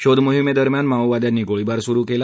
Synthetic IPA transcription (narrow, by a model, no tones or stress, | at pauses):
ɕod̪ʱmoɦimed̪əɾmjanmawʋad̪janːiɡoɭibaɾsuɾukela